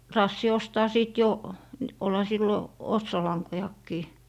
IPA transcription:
rɑːsːi ostɑː siˑt jo nĭ olhɑ silːo otsolɑŋkojɑkːiː

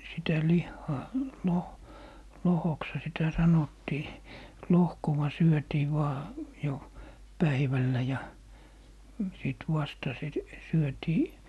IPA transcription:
sitæ lihːɑː loh lohokshɑ sitæ sɑnotːiː lohkowɑ syøtiː ʋɑː jo pæiʋælːæ jɑ siˑt ʋɑstɑ sit syøtiː

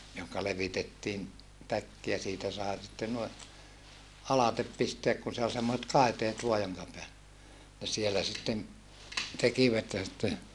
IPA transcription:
johkɑ leʋitetːiːn tækːi jɑ siːtæ sɑe sitːen nui ɑlɑtep pisteæk kun se ol semːoset kɑˑiteːt ʋoɑ joŋkɑ peæl ne sielæ sitːen tekiʋæt jɑ sĭtːe

